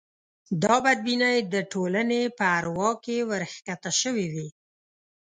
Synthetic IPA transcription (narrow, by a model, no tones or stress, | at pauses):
d̪ɑbad̪̚binajd̪əʈolanepəaɾwɑkewəɾxkat̪aʃəwiwi